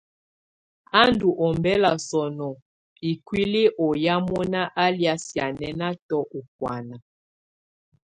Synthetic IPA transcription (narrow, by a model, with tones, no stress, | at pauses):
a˦ndu˨ʔɔ˨mbɛ˦la˨sɔ˨nɔ˨ | i˨kwi˦li˦ʔɔ˨ja˦mɔ˦na˦ʔa˦lja˦sja˨nɛ˨na˦tɔ˦ʔɔ˨k̚wa˨na˨